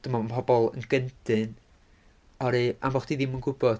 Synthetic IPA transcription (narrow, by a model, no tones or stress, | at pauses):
d̥əmɔənpʰɔbɔlˠə̰nɡəndɨn | ɔɾia̰mbɔχd̥iðimənɡʊbɔ̥